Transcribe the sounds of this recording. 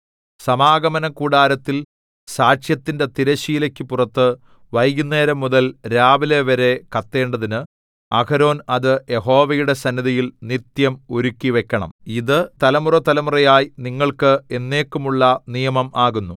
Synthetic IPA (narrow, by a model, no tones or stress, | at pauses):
sɐmaːɡɐmɐnɐkuːɽaːɾɐt̪ːil | saːʂjɐt̪ːinde̞t̪iɾɐɕiːilɐkʲːɨpurɐt̪ːɨ | ʋɐjɡune̞ːɾɐmːuðɐlɾaːʋile̞ʋɐɾe̞kɐt̪ːe̞ːɳɖɐðinɨ | ɐ̰kɐɾo̞ːnɐðɨje̞ɦo̞ːʋɐjuɽe̞sɐnːiðijilnit̪jɐmo̞ɾukʲːiʋe̞kʲːɐɳɐ̰miðɨt̪ɐlɐmurɐt̪ɐlɐmurɐjaːjiniŋːɐɭkɨe̞nːe̞ːkːumuɭːɐnijɐmɐmʔaːɣunːu